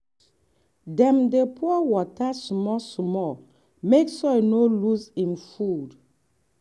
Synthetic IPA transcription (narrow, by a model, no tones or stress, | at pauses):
dɛ̃mdepʰuɔwɔtasmɔsmɔl | meksɔjnoluzĩmfud